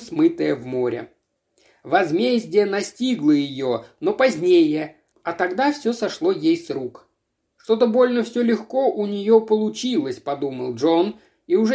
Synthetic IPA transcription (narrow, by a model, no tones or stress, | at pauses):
smɨt̪əjəvmo̞ɾʲɪ̰ | vɐzmʲezʲdʲɪjənɐsʲtʲiɡlˠəjɪjono̞pɐzʲnʲejə | ɐt̪ɐɡd̪afsʲɵsɐʂlˠo̞jejsɾuk | ʂt̪o̞t̪əbo̞lʲnəfsʲɵlʲɪxko̞ʔʊnʲɪjo̞pəlˠʊt͡ɕilˠəsʲpɐd̪umə̰lˠʐo̞n | iʊʐɛ